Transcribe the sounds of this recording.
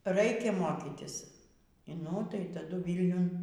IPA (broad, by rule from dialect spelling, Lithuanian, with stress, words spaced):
ˈrɐɪkʲɛ ˈmoːkʲɪtʲɪs nʊ tɐɪ tɐˈdʊ ˈʋʲiːlʲnʲʊn